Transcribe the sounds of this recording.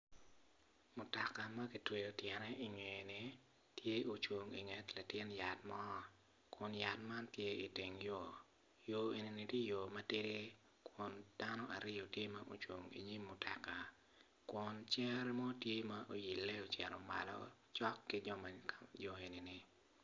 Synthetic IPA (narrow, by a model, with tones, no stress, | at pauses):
mʊ˨ta˨ka˨mɐ˦ki˨twe˨jo˨tjɛ˨nɛ˦ʔi˨ɲwe˨ni˨ | tje˦o˨t͡ʃwo˨ŋḭ˨ŋɛ˨tla˨tɪ˦nja˨tmɔː˦ | kʊ˨nja˨tma˦ntje˦i˨ti˨ŋjo˨ | jo˨e˨ni˨ni˨tje˦jo˨mɐ˦tɪ˦ɾe˦ | kʰwʊ˨nd̥a˦nɔ˦ʔa˨ɾɪ˦jo˨tje˦ma˦ʔo̰˨t͡ʃwo̰˨ŋḭ˨ɲi˦mːʊ˨ta˨ka˨ | kwʊ˨nt͡ʃɛ˦ɾmɔ˦tje˦ma˦ʔo˦ji˨lːe˦o˨t͡ʃɛ˨ɾɔ˨ma̰˨lɔ̰˦t͡ʃɔ˦kːɪ˦d͡ʒɔ˦ma˨d͡ʒɔ˨e˨ni˨ni˨